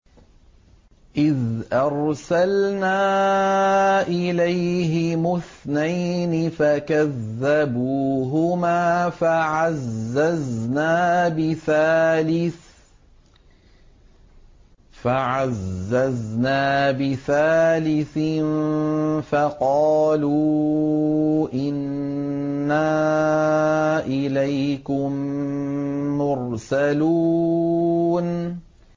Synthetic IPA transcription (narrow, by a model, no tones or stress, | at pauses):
ʔɪðʔɑɾˤsalnaː | ʔɪlajɦɪmʊθnajnɪfakaðːabuːɦʊmaːfaʕazːaznaːbɪθaːlɪ | faʕazːaznaːbɪθaːlɪθɪn | faqɑːluː | ʔɪnː | aː | ʔɪlajkʊm | ʊɾsaluː | n